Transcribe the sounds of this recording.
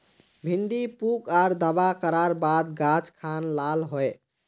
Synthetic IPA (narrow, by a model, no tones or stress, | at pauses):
bʱiɳɖipukaɾd̪abakəɾaɾbad̪ɡat͡ʃkʰanlalɦoe